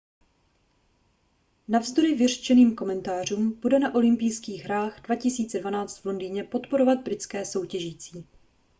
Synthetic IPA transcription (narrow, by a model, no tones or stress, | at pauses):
navzd̪o̞ɾɪvɪrt͡ʃɛniːmko̞mɛnt̪aːr̝uːmb̥udɛnaʔo̞lɪmpijskiːɣɦɾaːɣdvacɪsiːt͡sɛdvanaːt͡st̪vlo̞ndiːɲɛpo̞t̪po̞ɾo̞vad̪̚bɾɪt͡skɛːso̞wcɛʒiːt͡siː